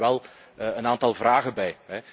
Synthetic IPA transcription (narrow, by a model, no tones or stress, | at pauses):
ɛlˠ | əənaːntɑlˠvraːɣəbɛjɦɛ